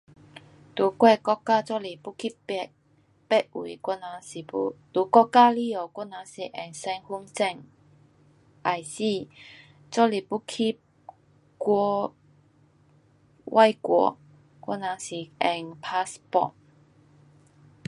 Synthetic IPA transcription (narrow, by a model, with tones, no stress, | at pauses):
t̪u˨˦kwɛ˥˧kɔ˥kːaː˦˥t͡sɔ˥li˨˩pu˥kʰi˥pɛ˧˩t̚ | pɛ˦˥t̚u˨˩kɔ˥˩na˨˧si˨˩pu˧˥t̪u˨˧˦kɔ˥kːa˥˧li˥˧o˨˩kɔ˥˩na˨˧˦si˨˩ʔɛ˨˩ŋsɛ˧ŋhu˥ŋt͡sɛ˥˧˨ŋ | ʔa˨˩jsi˥˧˩ | t͡sɔ˥li˨˩pu˥kʰi˦˥p̚ | kɔ˥˧ | wʔa˥˧jkwɔ̰˧˦ | kʷwɔ̰˥na˨˧˦si˨˩ɛ˨˩ŋpʰa˦˥spɔ̰˧˩t̚